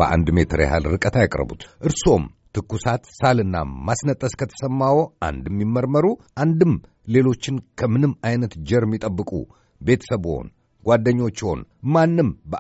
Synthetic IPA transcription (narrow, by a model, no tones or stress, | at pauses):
b̥əʔa̰nd̪me̞t̪ʰɾḛha̰lɾɨkʼət̪ʰajakʼɾə̰bṵt̪ʔɨɾso̞mt̪ʰɨkːusat̪salɨnːa̰masnət̪ʼːəskʰət̪ʰə̥səmːawoʔa̰nd̪ɛmːimːəɾməɾuʔand̪ɨm | le̞lo̞t͡ʃːɪnkʰəmɨnɨmajnət̪d͡ʒɛɾmːit̪ʼəbːɨkʼṵ | be̞t̪ʰə̥səbo̞̰n | ɡ̥ʷwad̪ːəɲːo̞t͡ʃːho̞̰nmanːɨmbə